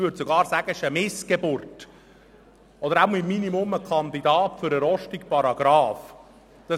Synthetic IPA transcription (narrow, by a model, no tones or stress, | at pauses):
ʋøɾdsoɡɑːɾsæɡ̥əɪʃəmɪsɡ̥ebʊrt | ɔd̪əɾaʊmimːinimʊməkʰɑnd̪idɑːtfʏɾəɾɔʃtikpɑɾɑɡ̥ɾɑːf | d̪̥ɑ